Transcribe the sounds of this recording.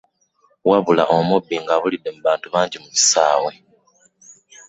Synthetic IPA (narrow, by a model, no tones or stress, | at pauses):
waβula̰ʔomubːiŋɡaːβulidːe̞muβaːntuβaːɲɟimuβi̥saːwe